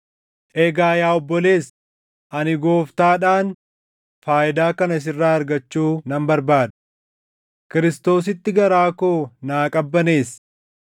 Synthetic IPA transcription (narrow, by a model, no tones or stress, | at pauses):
ʔeːɡaːjaːɔbːɔle̞ːs | ʔɐnɪɡo̞ːft̪aːᶑaːn | faːʔɪd̪aːkɐnɐs̬ɪrːaːɐɾɡɐt͡ʃːuːnɐmbɐɾbaːd̪ɐ̥ | kɪɾɪst̪o̞ːs̬ɪt̪ːɪɡɐɾaːko̞ːnaːkʼɐbːɐne̞ːs